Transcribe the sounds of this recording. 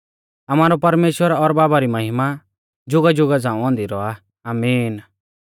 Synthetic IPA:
ɐmaːɾɔpɐɾmeːʃwəɾɔɾbaːbaɾimɐɦɪma | d͡ʒʊɡad͡ʒʊɡad͡zãːũɔ̃ːnd̪iɾɔa | aːmiːn

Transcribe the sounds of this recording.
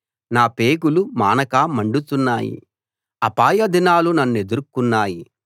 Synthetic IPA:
naːpeːɡulumaːnɐkaːmɐɳɖut̪unːaːjḭ | ɐpaːjɐd̪inaːlunɐnːue̞d̪uɾkunːaːji

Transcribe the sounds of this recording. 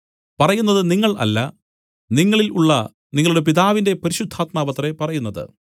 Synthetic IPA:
pɐrɐjunːɐðɨniŋːɐɭʔɐ̰lːɐ | niŋːɐɭiluɭːɐ | niŋːɐɭuɽe̞p̬iðaːʋinde̞pɐɾiɕud̪ʱːaːt̪̚maːʋɐt̪ːre̞pɐrɐjunːɐðɨ̰

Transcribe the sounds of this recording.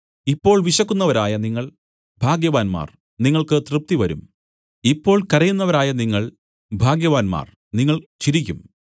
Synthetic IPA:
ipːo̞ːɭʋiɕɐkːunːɐʋɐɾaːjɐniŋːɐɭ | bʱaːɡjɐʋaːnma̰ːr | niŋːɐɭkɨt̪rɨp̚t̪iʋɐɾum | ipːo̞ːɭkɐrɐjunːɐʋɐɾaːjɐniŋːɐɭ | bʱaːɡjɐʋaːnma̰ːr | niŋːɐɭt͡ɕiɾikʲːum

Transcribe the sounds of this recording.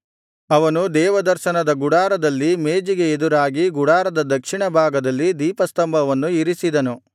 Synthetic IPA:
ɐʋɐnud̪ɛːʋɐd̪ɐɾʃɐnɐd̪ɐɡuɽaːɾɐd̪ɐlːimeːd͡ʒiɡe̞ːd̪uɾaːɡiɡuɽaːɾɐd̪ɐd̪ɐkʂiɳɐbʱaːɡɐd̪ɐlːid̪iːpɐst̪ɐmbʱɐʋɐnːuiɾisid̪ɐnu

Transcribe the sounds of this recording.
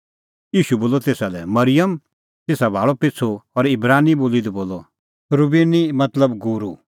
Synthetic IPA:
jiːʃuboːlɔt̪eːsalɛmɐɾɪjəm | t̪eːsabʱaːɭɔpɪt͡sʰoɔɾɪbɾaːniboːlid̪ɔboːlɔ | ɾʊbeːnimɐt̪ləbɡuɾu

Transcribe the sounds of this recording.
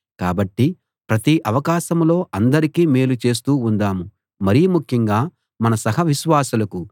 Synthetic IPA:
ka̰ːbɐʈːi | pɾɐt̪iʔɐʋɐkaːʃɐmlo̞ːʔɐnd̪ɐɾikiːmeːlut͡ʃe̞ːs̬t̪uːnd̪aːmu | mɐɾijumukʰjɐŋɡaː | mɐnɐsɐɦɐʋiʃʋaːsulɐku

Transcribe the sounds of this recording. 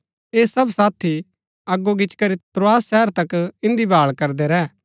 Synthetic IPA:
eːsɐbsaːt̪ʰi | ɐɡːoɡɪt͡ʃkɐɾit̪ɾoaːsːɛːəɾt̪ɐkɪ̃nd̪ibaːɭkɐɾd̪eɾɛː

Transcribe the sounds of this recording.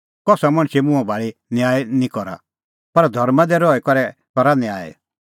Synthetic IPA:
kɔsamɐ̃ɽ̃t͡ʃimũɛ̃bʱaːɭinjaːɛnĩkɔɾa̰ | pɐɾd̪ʱɔɾmãd̪ɛɾɔɛkɔɾɛ | kɔɾanɛaːɛ̰

